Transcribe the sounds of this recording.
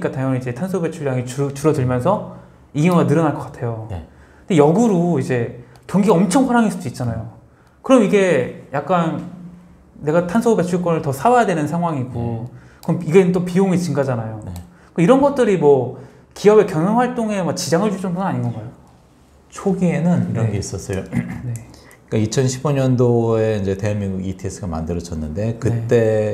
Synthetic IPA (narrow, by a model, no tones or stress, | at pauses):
ɲik͈atajʌnid͡ʑe̞tʰansʰobet͡ɕʰuɭjaŋiut͡ɕuɾʌdɯɭmjʌnsʰʌ | iɡiŋʌɡanɯɾʌnaɭk͈ʌk͈ḁtʰe̞jon̰ | ɯndejʌɡɯɾoid͡ʑe̞ | toŋɡiɡaʌmt͡ɕʰʌŋɸwaɾaŋɦis͈uduit̚t͡ɕ͈anajo | kɯɾʌmiɡe̞jak̚k͈an | ne̞ɡatʰansʰoubet͡ɕʰuɭk͈ʌnɯɭtʌsʰawajadwenɯnsʰaŋɦwaŋiɡukɯɾʌmiɡeɯnt͈opioŋit͡ɕiŋɡad͡ʑanajone | kaiɾʌnɡʌt̚t͈ɯɾimwʌ | kiʌbe̞kjʌnʌŋwaɭt͈oŋe̞mat͡ɕid͡ʑaŋɯɭt͡ɕud͡ʑʰʌnbunɯnaɲinɡʌɡajo | t͡ɕʰoɡie̞nɯniɾʌnɡe̞is͈ʌs͈ʌjone | k͈ait͡ɕʰʌnɕʰiboɲʌndoe̞ind͡ʑe̞te̞amːiŋɡuɡitʰies͈ɯɡama̰ndɯɾʌd͡ʑʰʌnːɯnde̞kɯt͈e̞